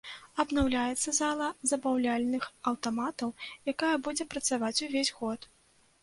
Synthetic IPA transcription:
ɐd̪nawlʲajɛt̪sːɐzalˠɐzɐbawlʲalʲnɨxɐwt̪amat̪ɐwjakajɐbud͡zʲɛpɾɐt̪savat͡sʲuvʲezʲɣɔt̪

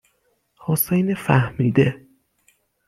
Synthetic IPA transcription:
hosejnefæhmiːd̪e

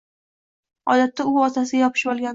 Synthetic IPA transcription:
ɒ̰d̪at̪ːaʊɒt̪ʰasɪɡʲajɒpʰɪ̥ʃbɒlˠɡʲan

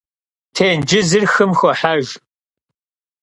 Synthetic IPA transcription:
tʰeːnd͡ʒɪzɨrxɨmxʷɔħaʒ

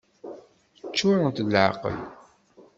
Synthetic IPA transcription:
t͡ʃːʊɾˤənt̪ːʕa̰qə̰l

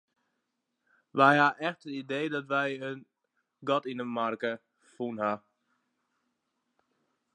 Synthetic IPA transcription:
ʋɛjhaʔɛxtətideːdɔtʋɛjən | ɡɔtinəmarkə | funha

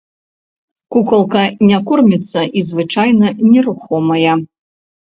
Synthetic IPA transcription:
kukɐlˠkɐnʲakurmʲit̪sːɐʔizvɨt͡ʂajnɐnʲɛɾuxɔmɐjɐ

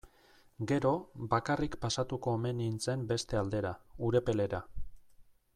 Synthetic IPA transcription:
ɡe̞ɾo̞bakarikpasat̪uko̞ːme̞nint͡se̞mbe̞st̪e̞ald̪e̞ɾauɾe̞pe̞le̞ɾa

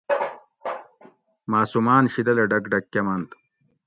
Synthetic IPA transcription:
maːsumaːnɕid̪ɐlɐɖɐkɖɐkːɐmɐnt̪

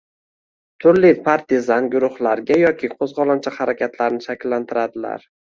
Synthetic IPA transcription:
t̪ʰʊɾlipʰaɾt̪ʰɪzanɡʲʊɾʊhlˠaɾɡʲajɒkʲʰɪqʰozʁɒlˠant͡ʃʰahaɾakʲʰat̪ʰlaɾnɪʃakʲlːant̪ʰɪɾad̪ɪla̰ɾ

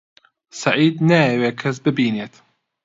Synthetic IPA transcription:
saʕiːd̪najɐweːkʰɐs̬bɨbiːneːt̪

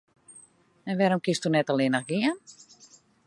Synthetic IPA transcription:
ɛnʋɛːɾomkɪstunɛtɔlˠɪnaxɡɪən

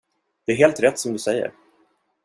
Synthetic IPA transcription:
d̪̥ɛæɾɦeːlt̪ɾɛt̪ːsɔmd̪ɵsɛjːə̰ɾ

